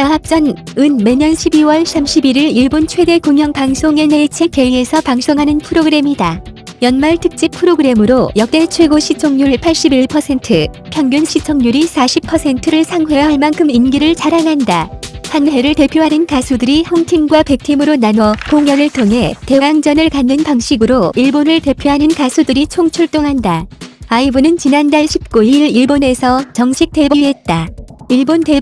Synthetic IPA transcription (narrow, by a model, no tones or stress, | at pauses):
aɦap̚t͡ɕ͈ʌn | ɯnme̞ɲʌnɕʰibiwʌɭsʰamɕʰibiɾiɭiɭbont͡ɕʰwe̞de̞koŋɦjʌŋpaŋs͈ʰoŋe̞neɭt͡ɕʰek͈eie̞sʰʌpaŋs͈oŋɦanɯnpʰɯɾoɡɯɾe̞mida | jʌnmaɭtʰɯk̚t͡ɕ͈ipʰɯɾoɡɯɾe̞mɯɾojʌk̚t͈e̞ɭt͡ɕʰwe̞ɡoɕʰit͡ɕʰʌŋɲuɭpʰaɭɕ͈ibiɭpʰʌsʰe̞ntʰɯpʰjʌŋɡjonɕʰit͡ɕʰʌŋɲuɾisʰaɕʰipʰːʌsʰe̞ntʰɯɾɯɭsʰaŋɸwe̞jʌɦaɭmankʰɯminɡiɾɯɭt͡ɕaɾaŋɦandahanɦe̞ɾɯɭte̞pʰjoɦanɯnkasʰudɯɾihʌŋtʰiŋɡwape̞k̚tʰimɯɾonanwʌkoŋjʌnɯɭtʰoŋɦe̞te̞aŋd͡ʑʌnɯɭkanːɯnpaŋɕ͈ʰiɡɯɾoiɭbonɯɭte̞pʰjoɦanɯnkasʰudɯɾit͡ɕʰoŋt͡ɕʰuɭt͈oŋɦandaaibunɯnt͡ɕinandaɭɕʰip̚k͈uiiɾiɭbone̞sʰʌt͡ɕʌŋɕʰik̚t͈e̞bie̞t̚t͈aiɭbonte̞